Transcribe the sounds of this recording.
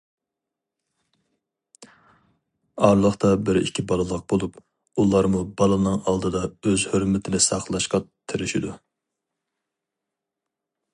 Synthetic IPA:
ɑɾlˠəχt̪ɑbɪɾḭkʲʰibɑlˠɨlˠəq̚bolˠup | ulˠɑɾmubɑlˠɨnɨŋɑlˠd̪ɨd̪ɑøzhøɾmɪt̪ʰɪnɪsɑqlˠɑʃqɑt̪ʰɪɾɪʃid̪u

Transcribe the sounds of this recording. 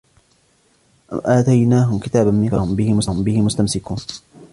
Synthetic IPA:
ʔa̰mʔaːt̪ajnaːɦʊmkɪt̪aːbammɪkahʊmbɪhɪmʊshʊmbɪhɪmʊst̪amsɪkuːn

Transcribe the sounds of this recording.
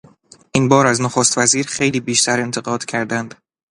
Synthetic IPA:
ʔinbɒːɾæznoxost̪væziːɾxe̞jliːbiːʃt̪ʰæɾe̞nt̪ʰeɣɒːd̪̥cʲʰæɾd̪ænd̪̥

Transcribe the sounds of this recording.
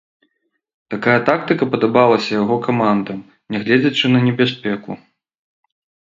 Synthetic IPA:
t̪akajɐt̪akt̪ɨkɐpɐd̪abalˠɐsʲɐjaɣɔkamand̪ɐm | nʲɛɣlʲɛd͡zʲɐt͡ʂɨnɐnʲɛbʲas̬ʲpʲɛku

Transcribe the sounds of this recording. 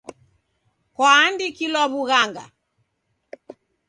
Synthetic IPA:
kwaːndikilɔβuɣaŋɡa̰

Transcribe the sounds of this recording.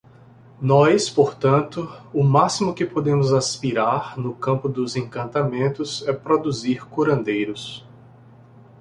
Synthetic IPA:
nɔjspoɾt̪ɐ̃nt̪ʊʊmasimʊkɪpod̪ẽmʊzaspiɾaɾnʊkɐ̃pʊd̪ʊzẽkɐ̃nt̪amẽnt̪ʊzɛpɾod̪uziɾkuɾɐ̃nd̪ejɾʊs

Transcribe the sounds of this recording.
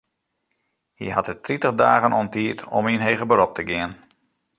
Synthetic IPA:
hḭɦɑtətːritəχdaːɣənʔɔntiːtʰɔ̰minɦejɣəbəɾɔp̚tʰəɡɪən

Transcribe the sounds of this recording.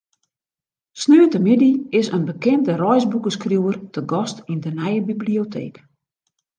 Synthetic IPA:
snøːətəmidiɪsənbəkɛndərɔjzbukəskrjuwərtʰəɡɔstindənɛjəbibliotʰḛːk

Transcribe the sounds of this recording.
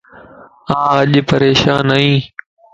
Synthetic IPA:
ãːəʄpəɾeːʃaːnəːĩː

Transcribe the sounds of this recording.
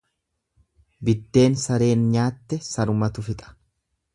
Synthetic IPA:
bɪd̪ːe̞ːnsɐɾe̞ːnɲaːt̪ːɛsɐɾʊmɐt̪ʊfɪt̪ʼɐ̥

